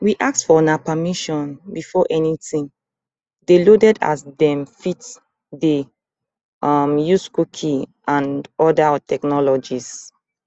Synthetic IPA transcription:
wiʔak̚tfɔnapamiʃɔ̃nbifɔʔɛnitĩŋ | delodɛda̰sdɛ̃mfit | de | ʌmjuskukʰĩʔãnɔdatʰɛknɔlɔd͡ʒis

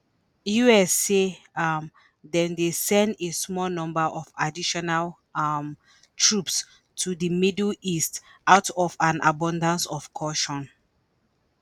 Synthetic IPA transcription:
juɛsem | dɛ̃ndesɛ̃ndesmɔlnɔ̃mbaʔɔfadiʃɔnal | m | tʰɹups | tʰudimidlistaʊtɔfãnʔa̰bɔ̃ndãnsɔfkʰɔʃɔ̃n

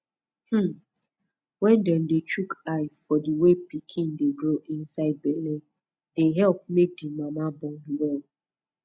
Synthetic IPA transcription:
h̩ | wɛ̃ndɛndet͡ʃukaɪfɔdiwepikʰĩndeɡɾoʔĩnsaɪd̚bɛlen | deɦɛlp̚mek̚dimamabɔ̃ŋdiwɛl

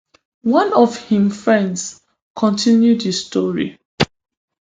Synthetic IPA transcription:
wãnɔvhĩmfɹɛ̃nds | kʰɔ̃ntʰĩnjudhistɔɹḭ

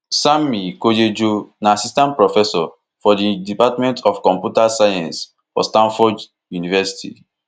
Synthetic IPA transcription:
samikod͡ʒed͡ʒonaasistãnt̚pɹɔfɛsɔ | fɔdidipatmɛ̃ntʰɔfkɔ̃mpjutasajãns | fɔ̰stãnfɔd | junivɛsi̥tḭ

